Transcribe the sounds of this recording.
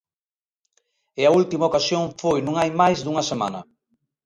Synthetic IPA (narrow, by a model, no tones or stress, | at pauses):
ɪɐult̪imaokasjoŋfojnũŋajmajzd̪uŋɐsema̰nɐ